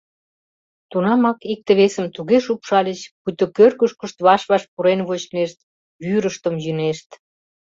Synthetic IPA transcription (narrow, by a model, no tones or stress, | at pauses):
t̪unɑmɑkik̚t̪əβesəmt̪uɣeʃupʃɑlʲet͡ɕput̪okørkəʃkəʃt̪βɑʃβɑʃpuɾenβot͡ɕneʃt̪̚ | βyɾəʃt̪əmjyneʃt̪